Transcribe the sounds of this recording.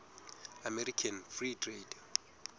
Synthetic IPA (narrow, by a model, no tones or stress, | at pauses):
amɛɾikʰanfritʰred